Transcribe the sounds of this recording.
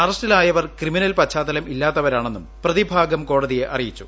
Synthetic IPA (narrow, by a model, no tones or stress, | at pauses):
ɐrɐstʈilaːjɐʋɐrkriminɐlpɐt͡ɕʰːaːd̪ɐlɐmʔilːaːt̪ːɐʋɐɾaːɳe̞nːumprɐðibʱaːɡɐmko̞ːɽɐðije̞ʔɐrijit͡ɕːu̥